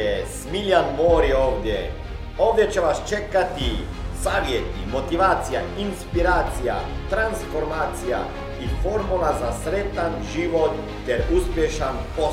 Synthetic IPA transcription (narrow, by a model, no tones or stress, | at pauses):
ɛsmiljanmoːɾioːʋd̪je | oːʋd̪jet͡ʃeʋast͡ʃekat̪i | saːʋjet̪imot̪iʋaːt̪sijainspiɾaːt̪sija̰t̪ɾansfoɾmaːt̪sija̰ | ifoɾmulazasɾet̪anʒiʋot̪ːɛɾuspjeʃanpo